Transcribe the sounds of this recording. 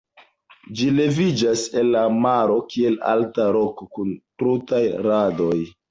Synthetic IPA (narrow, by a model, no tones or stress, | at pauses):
d͡ʒile̞vid͡ʒase̞nlːamaɾo̞kie̞la̰ltaɾo̞kokuntɾutajɾadoj